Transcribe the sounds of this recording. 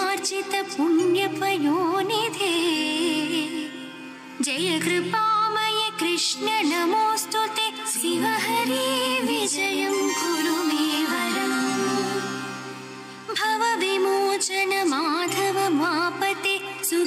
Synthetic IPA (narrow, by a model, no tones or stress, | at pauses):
ɾt͡ʃit̪ɐpunjɐpɐjoːnid̪ʱe | d͡ʒɐjɐkɾɪpaːmɐjekɾɪʂɳɐnɐmoːst̪ot̪esiʋɐɦɐɾiʋid͡ʒɐjɐmɡuɾumeʋɐɾɐm | bʱɐʋɐʋimoːt͡ʃɐnɐmad̪ʱɐʋɐmaːpɐt̪esu